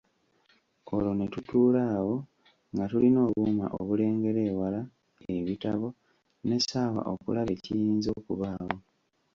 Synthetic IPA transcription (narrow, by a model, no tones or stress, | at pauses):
olo̞ne̞tutuːlaːwo̞ | ŋɡatulino̞ːβuma̰ʔo̰βule̞ːŋɡe̞ɾe̞ːwala | e̞βitaβo̞ | ne̞saːwa̰ʔo̞̰kṵlaβe̞cijiːnzo̞ːkuβaːwo̞